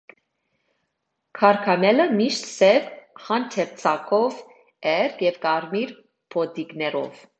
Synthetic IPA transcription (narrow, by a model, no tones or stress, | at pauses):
kʰɑɾkʰɑmɛləmiʃt̪sɛvχɑnt̪ʰɛɾt͡sʰɑkʰɔv | ɛɾkjɛvkɑɾmiɾ | pʰɔd̪iknɛɾɔ̰v